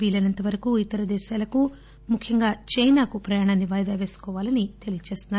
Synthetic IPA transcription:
ʋiːlɐnɐnt̪ɐʋɐɾɐkuit̪ːɐɾɐd̪ɛːʃaːlɐku | mukʰjɐŋɡaːt͡ʃɐjnaːkupɾɐjaːɳaːnːiʋaːjd̪aːʋe̞ːsu̥kɔːʋaːlɐnit̪e̞lijt͡ʃe̞ːst̪unːa

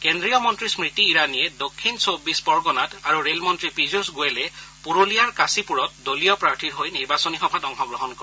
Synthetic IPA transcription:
kendɹijɔmɔntɹismɹitiːɹanijɛdokʰːinsobispɔɹɡɔnataɹuɹelmɔntɹipizusɡoɛlɛpuɹolijaɹkasipuɹɔt̚dolijɔpɹaɹtiɹɦojniɹbasɔnixɔbʱatɔŋxɔɡɹɔɦɔnkɔ

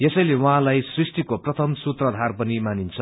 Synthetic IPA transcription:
jesʌjlewʌɦãlajsrisʈikoprʌt̪ʰʌmsut̪rʌd̪ʱarpʌnimanint͡sʰʌ

